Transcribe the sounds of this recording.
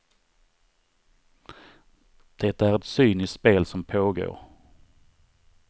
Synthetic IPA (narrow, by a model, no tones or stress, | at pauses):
d̪̥ɛt̪ːaæɾɛt̪syːnɪspeːlsɔmpʰoːɡo̰ːɾ